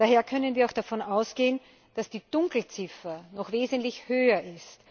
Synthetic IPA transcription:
d̥aːheːɐkʰœnənviːɐaʊxd̥afɔnaʊsɡ̥eːən | d̥asd̥iːd̥ʊŋkl̩t͡sɪfɐnɔxveːzntlɪçhøːɐʔɪst

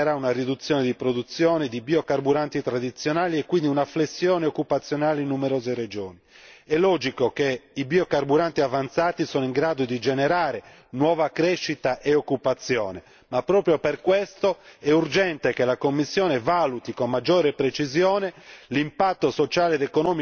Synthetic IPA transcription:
ɛɾaunarid̪ut̪sːjɔːned̪ipɾod̪ut̪sːjɔːned̪ibiokarbuɾant̪it̪ɾad̪it̪sːjɔnaːliɛkːwind̪iunaflesːjɔːneokːupat̪sːjɔnaːleinːumeɾɔːzered͡ʒɔ̰ːni | ɛlɔːd͡ʒikokeibiokarbuɾant̪iavant̪saːt̪isɔːnoiŋɡɾaːd̪od̪id͡ʒɛnɛɾaːɾe | nwɔːvakɾeʃːit̪aʔeokːupat̪sːjɔ̰ːne | mapːɾɔːpɾjoperkwest̪oɛurd͡ʒɛnt̪ekelakomːisːjɔːnevalut̪ikomːad͡ʒːɔːɾepɾet͡ʃizjɔːnelimpat̪ːosot͡ʃaːleɛd̪ekonɔːmi

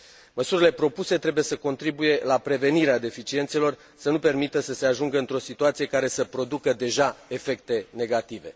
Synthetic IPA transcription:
məsuɾile̞pɾo̞puse̞t̪ɾe̞buje̞səko̞nt̪ɾibuje̞lapɾe̞ve̞niɾead̪e̞fit͡ʃie̞nt̪se̞lo̞r | sənupe̞rmit̪əsəse̞aʒuŋɡəɨnt̪ɾo̞sit̪uat̪sije̞kaɾe̞səpɾo̞d̪ukəd̪e̞ʒae̞fe̞k̚t̪e̞ne̞ɡat̪ive̞̰

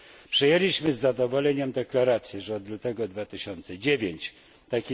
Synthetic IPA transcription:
pʂɛjelʲiɕmɘzːad̪ɔvɔlɛɲɛmd̪ɛklaɾat̪sʲjɛʐɛɔd̪lut̪ɛɡɔd̪vat̪ɘɕɔnt̪sɛd͡ʑevʲjeɲt͡ɕ | t̪akʲi

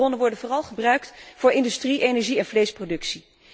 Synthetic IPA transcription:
ɔnənʋɔɹdənvʊːrɑlˠχəbrœɥktv̥ʊːɹʔɪndystriʔejnɛɹʒiɛnvlejsprodɵksi

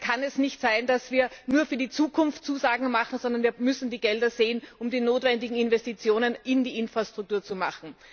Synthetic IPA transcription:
kʰanɛsnɪçtz̥aɪndasv̥iːɐnuːɐfyːɐdiːt͡suːkʰʊnftt͡suːzaːɡŋ̩maχn̩zɔndɐnviːɐmʏsn̩diːɡɛldɐzeːənʊmdiːnoːtv̥ɛndɪɡŋ̩ɪnvɛstit͡sjoːnənʔɪndiːʔɪnfʁ̥astʁ̥ʊk̚tuːɐt͡sumaχn̩

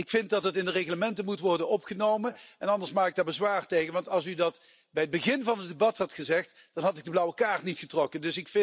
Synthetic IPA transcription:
ɪkfɪntdɑtətɪndəreɣləmɛntənmutʋɔrdənɔpχənowmənɛnɑndəɹsmaːkɪɡ̚daːɹbəzʋaːrtejɣənʋɑntɑlˠsydɑt | bɛjəd̚bəɣɪnvɑnədebɑthɑtχəzɛχt | d̥ɑnɦɑtɪɡ̚dəblʌwəkaːrtnitχətrɔkəndɵsɪkfɪ

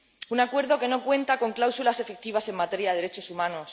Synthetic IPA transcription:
unakwe̞ɾðo̞ke̞no̞kwẽ̞nt̪ako̞ŋklawsulase̞fek̚t̪iβ̞ase̞mmat̪e̞ɾjaðe̞ðɾet͡ʃo̞sumãnos

